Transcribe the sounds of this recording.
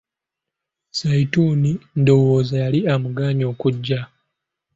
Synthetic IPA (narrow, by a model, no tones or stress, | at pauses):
saituːnindowoːzajaliamuɡaːɲo̞ːkuɟːa